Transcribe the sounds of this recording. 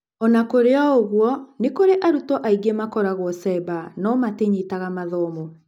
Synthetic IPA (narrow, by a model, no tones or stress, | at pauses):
ɔnakoɾeɔoɣwɔnekoɾeʔaɾutɔʔaiɡemakɔɾaɣwɔsɛbanɔmateɲitaɣamaðɔmɔ